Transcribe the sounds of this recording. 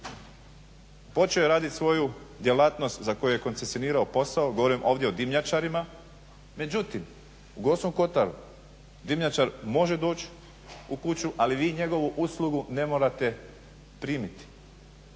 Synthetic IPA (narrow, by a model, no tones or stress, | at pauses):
po̞t͡ʃeojeɾaːd̪it̪sʋo̞jud̪je̞laːt̪no̞st̪zako̞juje̞ko̞nsesjo̞niːɾaopo̞saoɡoʋoɾimʔo̞ːʋd̪jeo̞d̪imʎat͡ʃaɾima | me̞d͡ʑut̪im | uɡo̞ːsnuko̞t̪aɾṵ | d̪imʎat͡ʃaɾmo̞ʒe̞d̪o̞ːt͡ɕ | ukut͡ɕuʔaliʋiːɲe̞ɡo̞ʋuʔuslˠuɡune̞mo̞ɾat̪e̞ | pɾiːmit̪i̥